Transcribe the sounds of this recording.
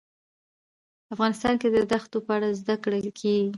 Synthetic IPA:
afɣɑnɪst̪ɑnked̪əd̪axt̪opəaɽazd̪akɽakʰeɡi

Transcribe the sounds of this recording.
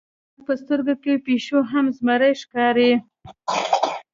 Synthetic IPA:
pəst̪əɾɡokepeʃoɦamzmaɾəjʃkɑɾe

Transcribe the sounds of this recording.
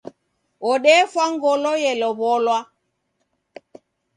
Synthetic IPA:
ɔɗɛfwaŋɡɔlɔjɛlɔβɔlwa

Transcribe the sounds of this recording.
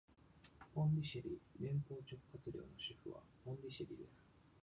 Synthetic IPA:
põ̞ndʲiɕiɾʲiɾẽ̞mpo̞ːt͡ɕo̞kɯ̥kːat͡sɨɾʲo̞̰ːno̞ɕiɸɯ̟βa̰põ̞ndʲiɕiɾʲḭd̪esɨ̥

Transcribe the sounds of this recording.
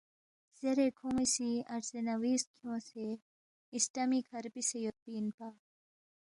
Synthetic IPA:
z̥eɾekʰumisiɐɾsenɐwiːskʰiõːse | isʈamikʰɐɾpisejot̚piːnpaː

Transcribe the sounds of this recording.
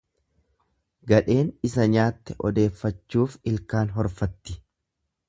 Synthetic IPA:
ɡɐᶑe̞ːnɪsɐɲaːt̪ːɛʔɔd̪e̞ːfːɐt͡ʃːuːfɪlkaːnɦɔɾfɐt̪ːɪ̥

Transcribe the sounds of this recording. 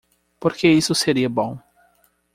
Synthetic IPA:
poɾkeisʊseɾiɐbõw̃

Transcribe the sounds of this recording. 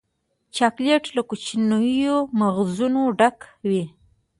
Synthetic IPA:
t͡ʃɑkleʈlakut͡ʃinujomaɣzunoɖakwi

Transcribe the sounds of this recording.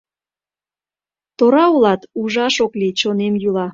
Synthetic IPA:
t̪oɾɑulɑt̪uʒɑʃoklit͡ɕonemjylɑ

